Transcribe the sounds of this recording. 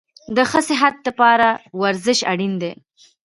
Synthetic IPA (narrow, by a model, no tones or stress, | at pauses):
d̪əxəsɪɦat̪̚d̪əpɑɾawaɾzɪʃa̰ɽind̪e